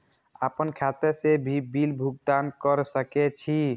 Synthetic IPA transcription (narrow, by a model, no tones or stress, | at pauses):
apənkʰat̪esebʱibilbʱuɡ̚d̪ankɔɾsəket͡ʃʰi